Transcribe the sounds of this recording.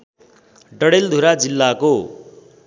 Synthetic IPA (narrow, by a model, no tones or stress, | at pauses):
ɖʌɽeld̪ʱuɾad͡zilːako